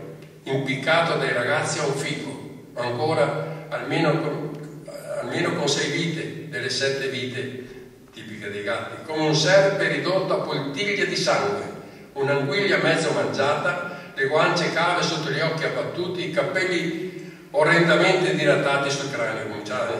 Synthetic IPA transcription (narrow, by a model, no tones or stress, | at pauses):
impikːaːt̪od̪ajɾaɣat̪sːiauɱfikʰːo | aŋkoːɾaːlmeːnok | almeːnokonsɛjviːt̪ed̪elːesɛt̪ːeviːt̪e | t̪iːpiked̪ejɡat̪ːikomeunsɛrbeɾid̪ot̪ːoapːolt̪iʎːad̪isaŋɡwḛ | unaŋɡwiʎːamɛd̪zːomand͡ʒaːt̪aleɡwant͡ʃekaːvesot̪ːoʎiɔkːiabːat̪ːuːt̪iːkapːɛlːi | orɛnd̪ament̪ed̪ilat̪ːaːt̪isulkɾaːnokomint͡ʃa